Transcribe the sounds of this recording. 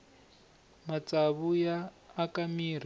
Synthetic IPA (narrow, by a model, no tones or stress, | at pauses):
mat͡sʼaβujaːkamiːr̤i